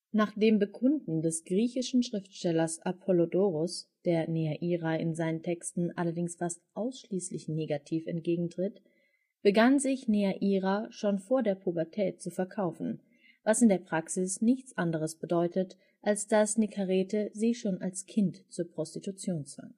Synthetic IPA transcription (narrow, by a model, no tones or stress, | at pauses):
naːχd̥eːmbəkʰʊndn̩dɛsɡ̥ʁiːçɪʃn̩ʃʁ̥ɪftʃtɛlɐsʔapʰɔlodoːʁʊsd̥eːɐneaʔiːʁaɪ̰nzaɪnəntʰɛkstn̩ʔa̰lɐdɪŋsfastʔaʊsʃliːslɪçneːɡatʰiːfɛ̰nt̚ɡ̥eːɡŋ̩tʁ̥ɪt | b̥əɡanzɪçneaʔiːʁaʃoːnfoːɐdeːɐpʰubɐɐtʰɛːt̚t͡sufɛɐkʰaʊfn̩ | vasɪndeːɐpʁ̥aksɪsnɪçt͡sʔandəʁ̞əsb̥ədɔʏtət | ʔalsd̥asnikʰaʁeːtəziːʃoːnalskʰɪntt͡suːɐpʁ̥ɔstitut͡sjoːnt͡sv̥a̰ŋ